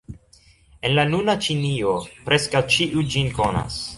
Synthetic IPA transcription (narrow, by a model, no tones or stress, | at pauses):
e̞nlanunat͡ʃiniopɾe̞skawt͡ʃiʔud͡ʒinko̞na̰s